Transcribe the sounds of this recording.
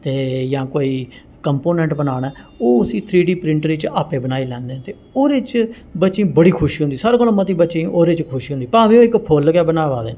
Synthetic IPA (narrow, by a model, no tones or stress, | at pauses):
t̪eːjãːkoːiː | kəmpoːnɛ̃ːɳʈbənaːɽɛːoːʊsĩːt̪ʰɾiːɖiːpɾɪ̃ɳʈɾɪt͡ʃaːpẽːbənaːiːlɛ̃ːnd̪eɛ̃t̪eː | oːɾeːt͡ʃ | bəːt͡ʃĩːbəɽiːkʰʊʃiːɦʊ̃nd̪iːsaɾkəlomət̪iːbəːt͡ʃʃẽːʔoːɾeːt͡ʃkʰʊʃiːʊ̃nd̪iːpaːʋẽõːɪkpʰoːlkɛːbənaːʋaːd̪ḛː